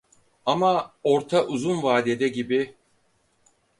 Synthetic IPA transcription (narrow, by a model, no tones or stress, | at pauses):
amao̞ɾt̪ʰaʔuzunvaːd̪ed̪ɛɟibɪ